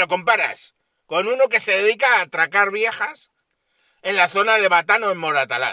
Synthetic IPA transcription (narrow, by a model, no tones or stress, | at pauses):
o̞ko̞mpaɾa̰s | ko̞nuno̞ke̞se̞ðe̞ðikaːt̪ɾakaɾβje̞xas | e̞nlaθo̞nað̞e̞βat̪anoemːo̞ɾat̪ala̰